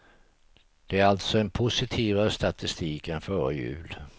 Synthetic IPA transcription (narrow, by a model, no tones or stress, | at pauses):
d̪̥ɛæɾalt̪sɔɛnpʰʊsɪt̪ʰiːvaɾəst̪at̪ɪst̪iːkɛnfœːɾəjʉ̟̰ːl